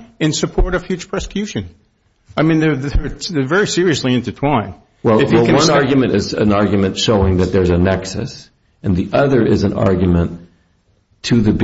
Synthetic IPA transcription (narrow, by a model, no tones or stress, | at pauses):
ɨ̃nsɨpʰɔɹɾʌ̥fjʉt͡ʃpʰɹ̥ɛsə̥kʰj̥ʉʃɨ̃n | aɪmĩnðəððətsðəvɛɹisɪɹiɨsliɨ̃ntɨtʰw̥ãɪ̃n | wɛlˠɨwɛkɨ̃wʌ̃nnɑɹɡjɨmɨ̃ɾ̃ɨzɨ̰̃nɑɹɡjɨmɨ̃ntʃoʊɪ̃ŋðɨt̪̚ðə˞zɨnɛksɨ̰s | ɨ̃nðiʔʌðə˞ʔɪzɨ̃nʔɑ̰ɹɡjɨmɨ̃n | tʰɨðɨb